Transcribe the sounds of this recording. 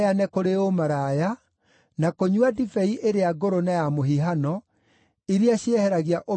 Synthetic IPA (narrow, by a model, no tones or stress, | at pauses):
janɛkoɾeomaɾaja | nakoɲuadifɛiʔeɾeaɡoɾonajamoɦiɦanɔ | iɾiaɕiɛhɛɾaɣiaʔo